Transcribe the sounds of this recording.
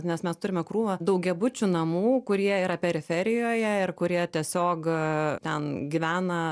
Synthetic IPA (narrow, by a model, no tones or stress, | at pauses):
nʲɛsmʲɛst̪ʊɾʲɪmʲɛkɾuːʋɐd̪ɐʊɡʲɛbʊt͡ʃʲunɐmuːkʊɾʲiɛiːɾɐpʲɛɾʲɪfʲɛɾʲɪjoːjɛɪrkʊɾʲiɛt̪ʲiɛsʲoːkt̪ʲɛnɡʲiʋʲæːnɐ